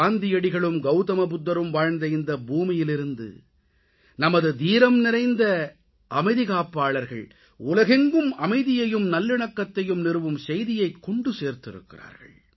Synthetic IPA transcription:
aːnd̪ɪjɐɽɪɣɐɭɯmɡɐʊt̪ɐmɐp̬ʊd̪ːɐɾɯmʋaːɻnd̪ɐɪnd̪ɐbuːmɪjɪlɪɾɯnd̪ɯ̰ | nɐmɐðɯd̪iːɾɐmnɪɾɐɪnd̪ɐ | ʔɐmɐɪðɪɣaːpːaːɭɐɾɣɐɭ | ʊlɐɣɛŋɡɯmɐmɐɪðɪjɐjɯmnɐlːɪɳɐkːɐt̪ːɐjɯmnɪɾɯʋɯmsɛjðɪjɐɪkːɔɳɖɯseːɾt̪ːɪɾɯ̰kːɪ̰ra̰ːɾɣɐ̰ɭ

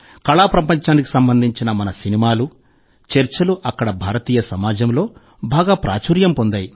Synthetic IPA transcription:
kɐɭaːpɾɐpɐɲt͡ʃaːnik̬i̥sɐmbɐnd̪ʱiɲt͡ʃinɐmɐnɐsinimaːlu | t͡ʃeɾt͡ʃɐluʔɐkːɐɽɐbʱaːɾɐt̪iːjɐsɐmaːd͡ʒɐmlo̞ː | bʱaːɡaːpɾa̰ːt͡ʃuːɾjɐmpo̞nd̪aːji

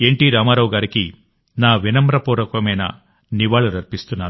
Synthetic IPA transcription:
e̞ɳʈiːɾaːmaːɾɐʋuɡaːɾiki | naːʋinɐmɾɐpuːɾɐkɐmɐjnɐ̰ | niʋaːɭuɾɐɾpist̪unːaːɾu

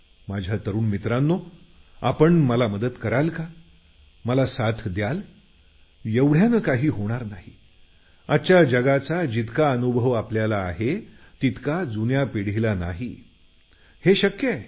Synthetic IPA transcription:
mad͡ʑʱjat̪əɾuːnmit̪ɾanːo | a̰pəɳməlaməd̪ət̪kəɾalka | məlasat̪ʰd̪jal | jeʋɽ̤janəːkaɦiːɦoɽ̃aɾnaɦi | at͡ɕjad͡ʑəɡat͡sad͡ʑit̪kaənubʱəʋapljalaːɦe | t̪it̪kad͡zunjapiɽ̤ilanaɦi | heɕəkj

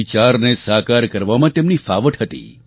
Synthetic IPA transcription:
it͡ʃaɾnesakaɾkəɾʋamãt̪emnifaʋəʈɦət̪ḭ

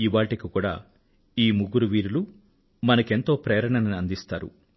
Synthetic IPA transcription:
iʋaːʈikikuːɽa̰ː | iːmuɡuɾuʋiːɾulu | mɐnɐke̞nt̪o̞ːpɾeːɾɐɳɐnɐniɐnd̪ist̪aːɾṵ

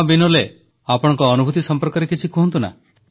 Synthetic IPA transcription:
binole | apɔɽ̃ɔ̃ŋkɔːnubʱut̪isɔmpɔɾkɔɾekit͡ʃʰikɔɦɔnt̪una̰

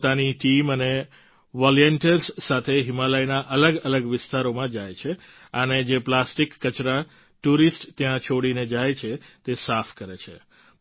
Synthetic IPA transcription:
t̪aniʈiməne | ʋaljeɳʈəɾsːat̪ʰeɦɪmaləjnaʔələɡələɡʋɪst̪aɾomãd͡ʒajt͡ʃʰe | əned͡ʒeplasʈikːət͡ʃɾa | ʈuɾisʈt̪jãt͡ʃʰoɽined͡ʒajt͡ʃʰet̪esafʰkəɾet͡ʃʰe

